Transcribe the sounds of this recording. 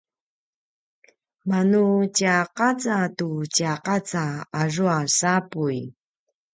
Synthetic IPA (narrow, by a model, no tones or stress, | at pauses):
manucaqat͡satucaqat͡saːʐuasapuj